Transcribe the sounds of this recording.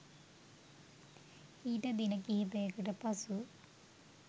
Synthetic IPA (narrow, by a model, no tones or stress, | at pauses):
iːʈɐd̪inɐkiɦibejkɐʈɐpɐsu